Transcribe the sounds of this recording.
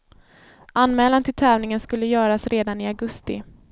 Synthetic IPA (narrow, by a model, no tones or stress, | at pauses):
ʔanːmɛːlant̪ʰɪlt̪ʰɛːvnɪŋənskɵlːəjœːɾasɾeːd̪anɪaɡɵst̪ɪ̰